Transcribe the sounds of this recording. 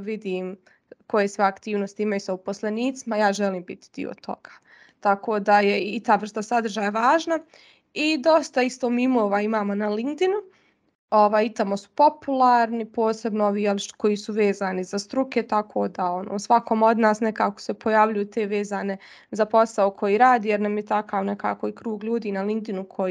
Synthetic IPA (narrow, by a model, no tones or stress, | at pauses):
ʋid̪iːm | ko̞jesʋeakt̪iːʋnost̪iimajusaupo̞sleniːt̪simajaːʒeliːmbit̪i̥d̪ḭo̰t̪ʰo̞̰ɡ̥ḁː | t̪akʰoːd̪ajeit̪aːʋr̩st̪asad̪r̩ʒaːjaʋaːʒna | id̪o̞st̪aist̪omimoːʋaimaːmo̞nalind̪inu | oʋaːjit̪amo̞su̥po̞pulˠaːɾnipo̞ːse̞bnooʋiːjelko̞jiːsuʋeːzaːnizast̪ɾuke̞t̪akʰo̰ːd̪ao̞no̰ːsʋakomo̞d̪naːsnekaːko̥se̞pʰo̞jaːʋʎujuːt̪e̞ːʋeːzaːne̞ | zapo̞saokʰo̞jiːɾaːd̪iːjeɾnamjet̪akaʋne̞ka̰ːko̞ikɾuːɡʎuːd̪iːnalind̪inukʰo̞j